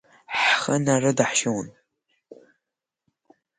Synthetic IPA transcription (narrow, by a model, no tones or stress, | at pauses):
ħχənarɨdaħʃown